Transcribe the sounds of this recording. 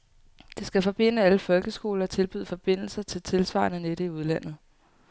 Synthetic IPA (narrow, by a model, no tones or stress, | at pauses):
d̥e̝sɡ̥æfɒ̽b̥e̝n̰əæləfɒ̽lɡ̥əsɡ̥o̝̰ːlɐɒt͡sʰe̝lb̥yðˠfɒ̽b̥e̝n̰l̩sɐt͡sʰe̝lt͡sʰe̝lsʋɑ̰̈nəneɾ̥əiuð̞ˠlæn̰ð̩ˠ